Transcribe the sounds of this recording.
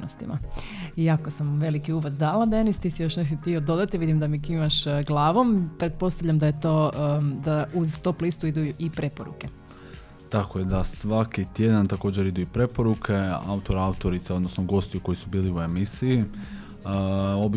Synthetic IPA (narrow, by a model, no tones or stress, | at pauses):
no̰st̪ḭmʔa̰ | iakosamʋe̞likiuːʋod̪d̪aːlad̪enist̪isijo̞ʃnek̪ot̪iod̪o̞d̪at̪iʋid̪imd̪amikimaʃɡlˠaːʋo̞mpɾe̞t̪̚po̞st̪aʋʎʲamd̪ajet̪od̪auzt̪oplˠist̪uid̪uipɾe̞poɾṵke̞ | t̪akojed̪asʋakit̪je̞d̪ant̪ako̞ːd͡ʑeɾid̪uipɾe̞po̞ɾukʰe̞a̰ut̪oɾaut̪o̞ɾit̪seo̞d̪nosnoɡo̞st̪iuko̞jisubiːliue̞misii | o̞bi